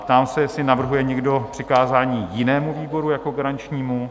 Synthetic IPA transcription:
pt̪aːmsɛjɛsɪnavr̩ɦujɛɲɛɡdo̞pr̝̥ɪkaːzaːɲiːjɪnɛːmuviːbo̞ɾujako̞ɡaɾant͡ʃɲiːmu

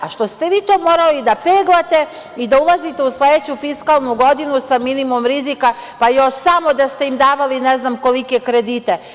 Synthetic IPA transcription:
aʃt̪o̞st̪eʋiːt̪oːmo̞ːɾalid̪apeːɡlˠat̪e̞ | id̪aulˠazit̪e̞usled̪et͡ɕufiskalˠnuɡo̞d̪inusaminimomɾizikapajo̞ʃsamo̞d̪ast̪e̞imd̪aːʋalineznamko̞likekɾed̪iːt̪e̞

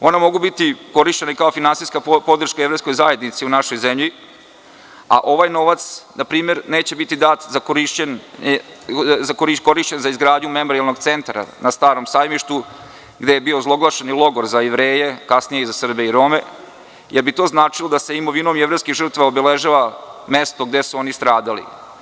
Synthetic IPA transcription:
o̞namo̞ɡubit̪iko̞ɾiʃt͡ɕenaikaofinansijskapo̞d̪r̩ʃkajevɾejsko̞jzaje̞d̪nit̪siunaʃo̞jzemʎi | a̰ʔo̞ʋajno̞ʋat̪snapɾiːme̞ɾneːt͡ɕebit̪id̪at̪zakoɾiʃen | zakoɾiko̞ɾiʃt͡ɕenzaizɡɾaːd̪ɲume̞mo̞ɾialˠno̞ɡt̪se̞nt̪ɾa̰nast̪aːɾomsaːjmiʃt̪u | ɡd̪e̞jebiozlˠo̞ɡlˠaʃenilˠo̞ɡoɾzajeʋɾeːjekasnijeizasr̩beiɾo̞ːme̞ | jeɾbit̪o̞ːznaːt͡ʂilod̪ase̞imo̞ʋinomjeʋɾejskiɣʒr̩t̪ʋaobeleʒaʋame̞st̪o̞ɡd̪e̞suo̞nist̪ɾaːd̪alḭ

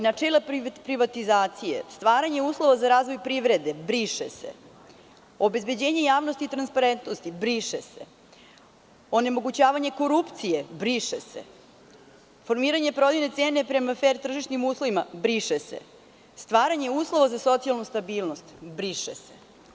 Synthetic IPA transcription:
nat͡ʂeːlappɾiʋat̪izaːt̪sijḛst̪ʋaːɾaɲe̞uːslˠo̞ʋazaɾaːzʋo̞jpɾiʋɾe̞d̪e̞bɾiʃesḛ | obe̞zbe̞d͡ʑeːɲe̞jaːʋnost̪it̪ɾanspaɾent̪nost̪ibɾiʃesḛ | o̞ne̞mo̞ɡut͡ɕaːʋaɲe̞ko̞ɾupt̪sijebɾiʃesḛ | fo̞ɾmiːɾaɲe̞pɾo̞d̪ijne̞t̪seːne̞pɾe̞mafeɾit̪r̩ʒiʃnimuːslˠo̞ʋimabɾiʃesḛ | st̪ʋaːɾaɲe̞uːslˠo̞ʋazaso̞t̪sialˠnust̪abiːlno̞st̪bɾiʃese

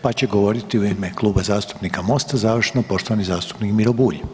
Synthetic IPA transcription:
pat͡ɕe̞ɡo̞ʋo̞ɾit̪iujime̞klˠuːbazaːst̪u̥pnikamo̞st̪azaʋr̩ʃenopo̞ʃt̪oʋanizaːst̪u̥pnikmiɾobuːʎ

